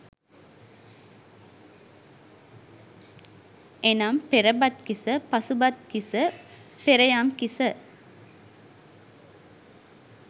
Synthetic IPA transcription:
enampeɾəbat̪kisəpɐsubat̪̚kisəpeɾɐjamkisə

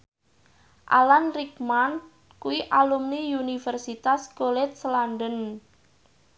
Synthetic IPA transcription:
ʔa̰lanrikman | kuiʔalumniunifɛrsit̪asɡolɛt̪̚slandən

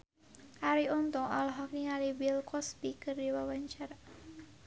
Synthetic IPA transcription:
ʔaɾiɔnt̪ɔŋʔɔ̰lɔɦɔk̚niŋalibilkɔspikərdiwawaɲt͡ʃara

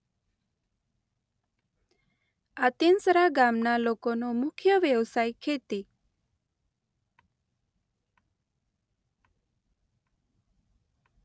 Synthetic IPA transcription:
at̪insəɾaɡamnalokonomʊkʰjəʋjəʋsajkʰet̪i

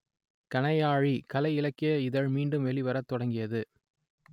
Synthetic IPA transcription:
kɐnɐjaːɻikɐlɐɪɪlɐkːɪjɐɪðɐɻmiːɳɖɯmʋɛɭiʋɐɾɐt̪ːɔɽɐŋɡɪjɐðɯ

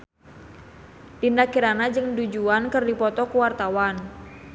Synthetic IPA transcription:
dindakiɾanad͡ʒɨŋdud͡ʒuankɨrdipɔt̪ɔkuwart̪awan

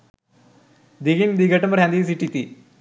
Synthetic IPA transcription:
d̪iɡind̪iɡəʈəməɾɦɛ̃nd̪is̬iʈit̪iː

